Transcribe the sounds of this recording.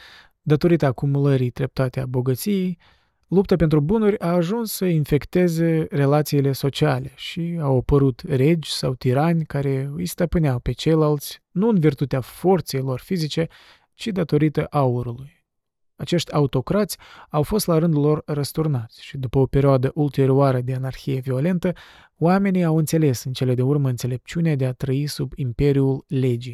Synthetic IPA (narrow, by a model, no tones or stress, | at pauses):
d̪at̪o̞ɾit̪əaːkumuləɾijd̪ɾe̞p̚t̪at̪ea̰bo̞ɡət̪sijej | lupt̪ape̞nt̪ɾubunuɾʲaːʒunsːəinfe̞kt̪e̞ze̞re̞lat̪siːle̞so̞t͡ʃiale̞ʃiawopəɾut̪re̞d͡ʒʲsawt̪iɾanʲkaɾe̞ɨjst̪əpɨneawpe̞t͡ʃe̞jlalt̪sʲnuɨnvirt̪ut̪eafo̞rt̪sejlo̞rfizit͡ʃe̞ | t͡ʃid̪at̪o̞ɾit̪əʔauɾuluj | at͡ʃe̞ʃt̪ʲaut̪o̞kɾat̪sʲawfo̞st̪laɾɨnd̪ulo̞rrəst̪urnat̪sʲʃid̪upəo̞pe̞ɾʲioad̪əʔult̪e̞ɾioaɾəd̪e̞anarxije̞vio̞le̞nt̪ə | wame̞nijawɨnt̪se̞le̞sɨnt͡ʃe̞le̞d̪inurməɨnt̪se̞le̞p̚t͡ʃiunead̪e̞at̪ɾəisubimpe̞ɾiulle̞d͡ʒij